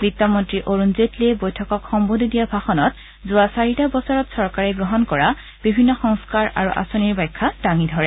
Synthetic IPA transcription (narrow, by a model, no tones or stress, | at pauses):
bitːamɔntɹiʔoɹunzetliɛbojtʰɔkɔkxɔmbodʱidijabʱaxɔnɔt | zʊasaɹitabɔsɔɹɔtsɔɹkaɹɛɡɹɔɦɔnkɔɹa | b̥ibʱinːɔxɔŋskaɹa̰ɹṵʔa̰soniɹbajkʰːadaŋidʱɔɹɛ